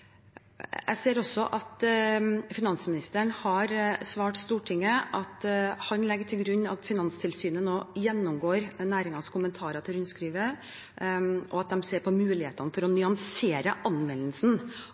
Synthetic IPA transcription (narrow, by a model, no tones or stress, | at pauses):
æ̰ɪseːɾɔsːɔʔɑt̪ | fɪnɑnsmɪnɪst̪əɳhɑɾsʋɑːʈst̪uːʈʰɪŋːəʔɑt̪hɑnlɛɡəʈʰɪlɡɾʉɲːɑ̰t̪fɪnɑnst̪ʰɪlsyːnənoːjɛnːʊmɡoːɾnæːɾɪŋɑskʰʊmənt̪ʰɑːɾɑt̪ʰɪɾʉnskɾiːʋə | ʔɔ̰ɑt̪̚d̪ɛmseːɾpʰɔmʉːlɪheːt̪ɑnfɔɾɔnʏɑnseːɾəʔɑnʋɛnəlsn̩